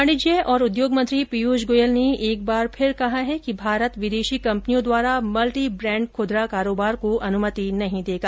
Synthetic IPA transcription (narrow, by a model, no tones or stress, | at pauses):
əɽɪd͡ʒeɔːɾʊd̪joːɡmɐ̃nt̪ɾipijuːʃɡoːjəlneeːk̚baːɾpʰɪɾkɐɦaɦɛkibʱaːɾət̪ʋɪd̪eːʃikɐ̃mpnijõd̪waːɾamɐlʈibɾɛ̃ːɳɖkʰoːd̪ɾakaːɾoːbaːɾkoʔɐnʊmət̪inɐɦĩd̪eːɡaː